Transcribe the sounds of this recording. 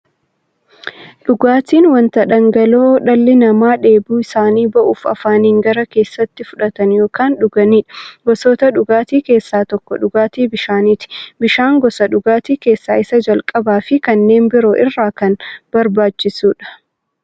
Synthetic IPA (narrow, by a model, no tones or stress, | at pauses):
ɗʊɡaːt̪iːnwɐnt̪ɐᶑɐŋɡɐloːɗɐlːɪnɐmaːᶑe̞ːbuːɪsaːniːbɐʔuːfɐ̰faːniːŋɡɐɾɐke̞ːsːɐt̪ːɪfʊᶑɐt̪ɐnjo̞ːkaːnɗʊɡɐniːᶑɐ̥ɡɔsoːt̪ɐᶑʊɡaːt̪iːke̞ːsːaːt̪ɔkːɔᶑʊɡaːt̪iːbɪʃaːniːt̪ɪ̥bɪʃaːŋɡɔsɐᶑʊɡaːt̪iːke̞ːsːaːɪsɐd͡ʒɐlkʼɐbaːfɪkɐnːe̞ːmbɪɾo̞ːʔɪrːaːkɐnb̥ɐɾbaːt͡ʃːɪsuːᶑɐ̥